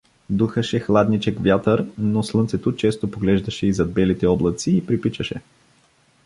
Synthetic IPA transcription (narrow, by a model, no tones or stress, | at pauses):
d̪uxəʃɛxlˠad̪nit͡ʃɛkvʲjat̪əɾnoslˠɤntsɛt̪ot͡ʃɛst̪opoɡlɛʒd̪ɐʃɛizɐd̪̚bɛlit̪ɛɔblˠɐt̪siːpɾipit͡ʃɐʃɛ